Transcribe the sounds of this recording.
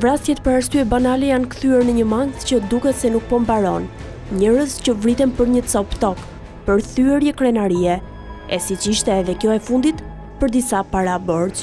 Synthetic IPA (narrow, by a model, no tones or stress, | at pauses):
vɾast̪jɛt̪pəɾast̪yɛbanalɛjankəθyɛɾnəɲəmaŋɡt̪cəd̪ukɛt̪sɛnuk̚pɔmbaɾɔn | ɲəɾəscəvɾit̪ɛnpəɾɲət͡sɔpt̪ɔk | pəɾθyɛɾjɛkɾɛnaɾiɛ | ɛsit͡ʃiʃt̪ɛːðɛkjɔɛfund̪it̪ | pəɾd̪isapaɾabɔɾt̪